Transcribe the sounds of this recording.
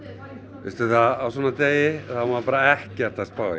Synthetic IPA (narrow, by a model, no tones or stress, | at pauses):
fɪst̪ɪɾθaðawsɔːnat̪eːjɪθamapaːɾaɛhcɪaɾt̪aspaːwɪ